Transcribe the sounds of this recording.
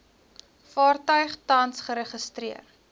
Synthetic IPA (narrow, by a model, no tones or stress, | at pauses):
fɑːrtœɥχtɐnsχəɾəχəstɾiər